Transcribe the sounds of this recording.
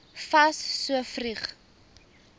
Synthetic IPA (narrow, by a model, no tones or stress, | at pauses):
fɐsːuəfriχ